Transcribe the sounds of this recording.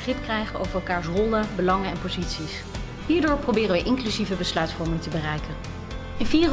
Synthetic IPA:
χrɪpkrɛjχəo̰wvərɛlˠkaːɹsrɔlˠəbəlɑŋənɛnpozitsis | ɦiːɹdʊːɹprowbɪːrənʋəʔɪŋklyzivəbəslœɥtfɔɹmɪŋtəbərɛjkən | ɪnviːr

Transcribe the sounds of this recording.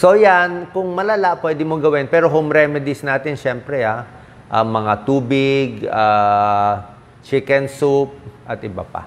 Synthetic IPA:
so̞jankʊŋmɐlɐlaʔpwɛd̪ɪmoɡɐwɪnpɛːɾokʊŋɾɛmɪd̪ɪsnaːt̪ɪnʃɛmpɾɛa | ʔɐŋmɐŋat̪uːbɪɡa | t͡ʃɪkɛnsup̚ʔɐt̪ʔɪba̰pa̰

